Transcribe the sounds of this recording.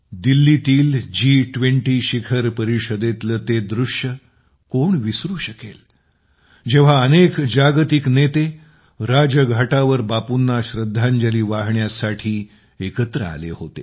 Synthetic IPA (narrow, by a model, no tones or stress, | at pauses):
d̪ilːit̪iːld͡ʑiːʈʋeɳʈiːɕikʰəɾpəɾiɕəd̪et̪lət̪ed̪ɾuʂjə | koɳʋisɾuːɕəkḛl | d͡ʑeʋ̤aənekd͡ʑaɡt̪iknet̪e | ɾad͡ʑəɡʱaʈaʋəɾbapunːaɕɾəd̪ʱːaɲd͡ʑəliːʋaɦɳjasaʈʰiː | ekət̪ɾəa̰lḛhot̪ḛ